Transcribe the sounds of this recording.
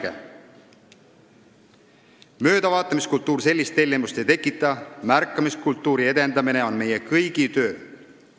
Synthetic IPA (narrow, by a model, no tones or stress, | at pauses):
ḛ | mø̞ːd̪̥ɑvɑːt̪ːˑɑmiskult̪ːˑuːrse̞lʲːist̪ːe̞lʲːimust̪e̞jt̪e̞kːˑit̪ːˑɑmærkːˑɑmiskult̪ːˑuːɾie̞d̪e̞nd̪ɑmine̞o̞nme̞jekɤjɡ̥it̪ø̞ː